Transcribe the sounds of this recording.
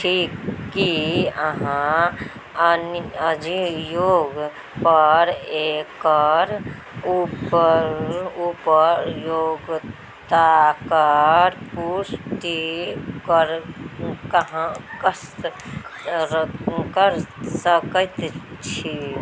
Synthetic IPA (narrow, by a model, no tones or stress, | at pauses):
ʈʰikːiəɦã | ənəd͡ʒijoːɡ | pəɾekəɾ | upəɾupəɾjoɡ | t̪akəɾpusʈ̪ikəɾ | kɦãkəs | kəɾsəkət̪t͡ʃʰi